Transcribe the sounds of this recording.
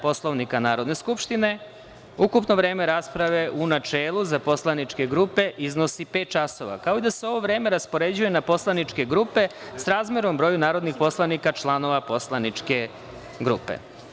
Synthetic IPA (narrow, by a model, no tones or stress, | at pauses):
po̞slˠo̞ʋnikanaːɾod̪ne̞skupʃt̪ine̞ | ukupno̞ʋɾeːme̞ɾaspɾaʋe̞ʔunat͡ʃeːlˠuzapo̞slˠanit͡ʃke̞ɡɾupe̞ʔizno̞sipeːt̪̚t͡ʃaso̞̰ʋa̰kaoid̪aseo̞ʋo̞ʋɾe̞ːme̞ɾaspo̞ɾe̞d͡ʑuje̞napo̞slˠanit͡ʃke̞ɡɾupe̞sɾaːzmeɾombɾo̞ːjunaːɾo̞d̪nixpo̞slˠaʋnikat͡ʃlˠano̞ʋapo̞slˠanit͡ʃke̞ | ɡɾupḛ